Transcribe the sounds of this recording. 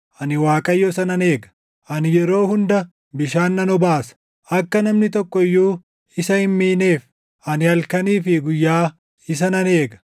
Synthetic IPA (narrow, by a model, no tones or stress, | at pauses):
ʔɐnɪwaːkʼɐjːɔsɐnɐne̞ːɡɐ̥ | ʔɐnɪjɛɾo̞ːhʊnd̪ɐ | bɪʃaːnːɐnɔbaːsɐ̥ | ʔɐkːɐnɐmnɪt̪ɔkːɔɪjːuː | ɪsɐhɪmːiːne̞ːf | ʔɐnɪɐlkɐniːfɪɡʊjːaː | ɪs̬ɐnɐne̞ːɡɐ̥